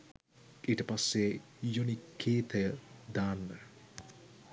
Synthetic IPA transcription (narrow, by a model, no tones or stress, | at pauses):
ʔiʈəpasːe | jonikʰːeːt̪ʰəjəd̪aːnːə